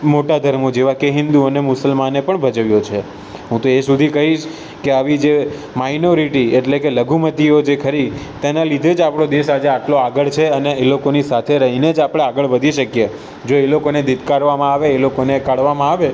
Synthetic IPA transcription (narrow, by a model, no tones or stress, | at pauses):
moʈad̪ʱəɾmod͡ʒeʋakeɦɪnd̪uənemʊsəlmanepəɳbʱəd͡ʒəʋjot͡ʃʰe | ɦũt̪oesud̪ʱikəɦiʃ | keaʋid͡ʒe | mainoɾiʈieʈlekeləɡʱumət̪iod͡ʒekʰəɾit̪enalid̪ʱed͡ʒapɽ̃od̪esad͡ʒeaʈloaɡəɭt͡ʃʰeəneːlokonisat̪ʰeɾəɦined͡ʒapɽ̃eaɡəɭʋəd̪ʱiʃəkje | d͡ʒoelokoned̪ɪd̪ʱkaɾʋamãaʋeːlokonekaɽʋamãaʋe